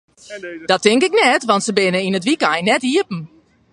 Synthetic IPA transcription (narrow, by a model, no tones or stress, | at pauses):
dɔtɪŋkɪknɛtʋɔntsəbɪnəinətʋikajnɛtiəpn̩